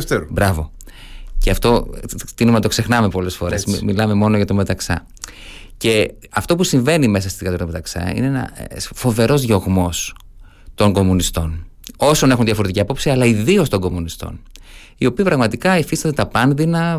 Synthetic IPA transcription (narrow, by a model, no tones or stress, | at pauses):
eɾbɾɐvo̞ | ceɐft̪o̞t̪inumenɐt̪okse̞xnɐme̞po̞le̞sfo̞ɾesmilɐme̞mo̞no̞ʝɐt̪ome̞t̪ɐksɐ̰ | ce̞ | ɐft̪o̞pusiɱve̞nime̞s̬ɐst̪iðikɐt̪oɾt̪ɐmet̪ɐksɐ̰ḭneenɐ̰fo̞ve̞ɾo̞zʝo̞ɣmo̞s | t̪o̞ŋɡo̞munist̪o̞n | o̞so̞ne̞xunðʝɐfo̞ɾet̪iciɐpo̞psiɐlɐiðio̞st̪o̞ŋɡo̞munist̪o̞̰n | io̞piːpɾɐɣmɐt̪ikɐifist̪ɐd̪et̪ɐpɐnðinɐ